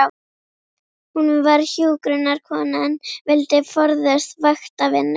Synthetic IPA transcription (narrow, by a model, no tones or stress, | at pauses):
hunvaɾçjuːkɾʏnːaɾ̥kʰɔːnanvɪlt̪ɪfɔɾðɛsst̪vaxt̪avɪnːɪ